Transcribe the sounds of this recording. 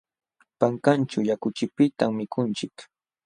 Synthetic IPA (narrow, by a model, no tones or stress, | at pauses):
paŋkant͡ʃʊjakʊt͡ʃɪpɪt̪aŋmɪkʊnt͡ʃɪk